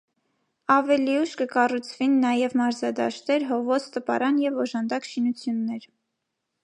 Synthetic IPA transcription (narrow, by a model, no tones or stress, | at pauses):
ɑvɛliuʃkəkɑrut͡sʰvinːɑjɛvmɑɾzɑd̪ɑ̰ʃt̪ɛɾɦɔvɔsʰt̪əpɑ̰ɾɑnjɛvɔʒɑnd̪ɑkʃinut͡sʰjunːɛɾ